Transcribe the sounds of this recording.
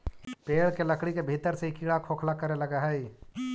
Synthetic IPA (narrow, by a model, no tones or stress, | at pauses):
peːɭkelɐkɽikebʱiːt̪əɾseɦikiːɽakʰoːkʰlakɐɾelɐɡaɦɛi